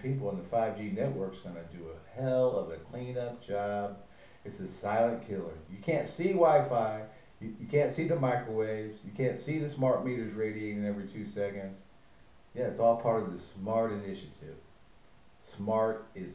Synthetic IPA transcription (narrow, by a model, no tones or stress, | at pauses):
pʰipl̩ˠə̃nðəfaɪvd͡ʒinɛʔ̚wɜ˞ksɡ̥ʌnɨdɨəhɛlˠʌvɨkʰl̥ĩnʌp̚d̥ʒ̥ɑb̚ | ɨtsɨsaɪlˠə̃nkʰɪlˠə˞jɨkʰæ̃ntsiwaɪfaɪ | jɨjɨkʰæ̃ntsiðəmaɪkəweɪvz̥jɨkʰæ̃ntsiðɨsmɑɹt̚miɾə˞zɹeɪɾieɪɾɨ̃nɛvɹitʰʉsɛkɨ̃ndz̥ | jæɨtsɔlˠpʰɑɹɾʌvðɨsmɑɹɾɨnɪʃɨɾɪv̥ | smɑɹɾɪz